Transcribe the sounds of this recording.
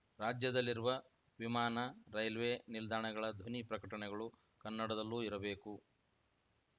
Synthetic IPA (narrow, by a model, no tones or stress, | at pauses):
ɾaːd͡ʒjɐd̪ɐlːiɾuʋɐ | ʋimaːnɐɾɐjlʋeːnild̪aːɳɐɡɐɭɐd̪ʱʋɐnipɾɐkɐʈɐɳɛɡɐɭu | kɐnːɐɽɐd̪ɐlːuːiɾɐbe̞ːku